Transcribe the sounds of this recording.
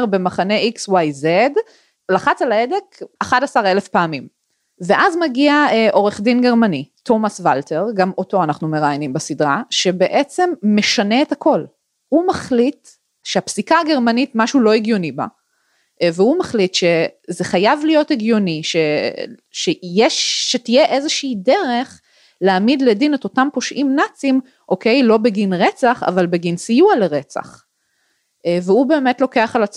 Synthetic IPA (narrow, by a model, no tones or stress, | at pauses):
ʁbemaχane̞ʔikswajzed | laχat͡salaede̞kaχadasaʁe̞lefpaːmim | veʔazmaɡiaeʔo̞ʁeχdinɡeʁmanitʰo̞masvaltʰe̞ʁɡamo̞to̞anaχnumeʁajanimbasidʁaʃe̞be̞ʔet͡se̞mːe̞ʃane̞etako̞l | humaχlit̪ | ʃeapsikaːɡe̞ʁmanitmaʃulo̞eɡjo̞niba̰ | vehumaχlitʃe̞zeχajavlijo̞teɡjo̞niʃeʃejeʃːetijeʔezeʃiːdeʁe̞χ | leamidledineto̞tampo̞ʃʔimnat͡sim | ʔo̞ke̞jlo̞beɡinʁe̞t͡saχa̰valbeɡinsijualeʁe̞t͡sa̰χ | veube̞ːmetlo̞ke̞aχalat͡s